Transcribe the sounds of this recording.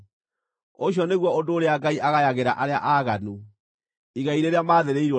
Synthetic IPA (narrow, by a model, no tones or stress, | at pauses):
oɕ̬jɔneɣwɔodoːɾeaɡaiʔaɣajaɣeɾa̰ʔaɾeaʔaɣanu | iɣaiɾeɾeamaːðeɾeiɾɔ